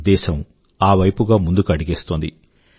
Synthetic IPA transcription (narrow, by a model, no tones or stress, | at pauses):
d̪ɛːʃɐm | aːʋɐjpuɡaːmund̪ukɐɽiɡeːst̪oːnd̪i